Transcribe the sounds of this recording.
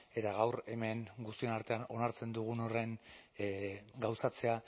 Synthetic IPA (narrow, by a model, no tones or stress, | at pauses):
e̞t̪aɣawɾe̞me̞ŋɡust̪ie̞naɾt̪e̞ano̞naɾt͡se̞nd̪uɣ̞uno̞re̞ŋ | ɡawsat͡se̞a